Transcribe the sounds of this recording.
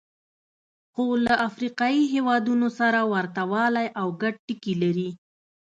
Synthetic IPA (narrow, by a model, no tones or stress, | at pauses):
xolaʔafɾiqɑiɦewɑd̪unosaɾawaɾt̪awɑlajʔawɡaɖ̚ʈikilaɾi